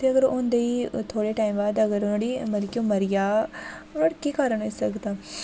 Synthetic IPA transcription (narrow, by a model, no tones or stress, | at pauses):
t̪ʰeɐɡəɾʊ̃ːnd̪eiːt̪ʰoːɽeʈaːimbaːd̪ɐɡəɾɽimɐɾkjõːmɐɾɪja | ʊnəɽkiːkaːɾəɳɦoisɐkd̪aː